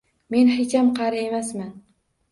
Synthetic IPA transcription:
me̞nhɪkʲamqʰɑɾaemasman

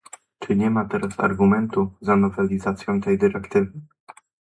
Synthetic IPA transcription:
t͡ʂɘɲɛmat̪ɛɾasa̰ɾɡumɛnt̪uzanɔvɛlʲizat̪sʲjɔ̃w̃t̪ɛjd̪ɘɾɛkt̪ɘvɘ

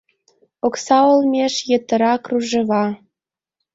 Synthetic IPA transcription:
oksɑolmʲeʃjə̆t̪ə̆ɾɑkruʒɤ̆βɑ

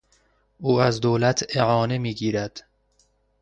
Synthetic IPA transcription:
ʔuːæzd̪oːlæt̪ʰeʕɒːne̞miːɡiːɾæd̪̥

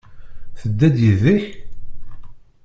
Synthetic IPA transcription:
θəd̪ːæd̪jəðiħ

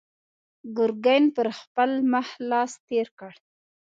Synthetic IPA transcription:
ɡʊɾɡajnpəɾxpəlməhlɑst̪eɾkəɽ

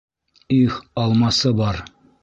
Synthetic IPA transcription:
iχɒlˠmɑsɤbɒɾ

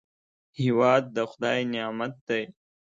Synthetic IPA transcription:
hiwɑːd̪̚ːəxʊd̪ɑːjnijɑːmat̪̚d̪ej

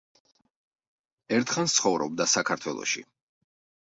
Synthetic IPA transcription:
ɛɾt̪ʰχanst̪sʰχɔvɾɔb̚d̪asakʰaɾt̪ʰwɛlˠɔ̰ʃḭ

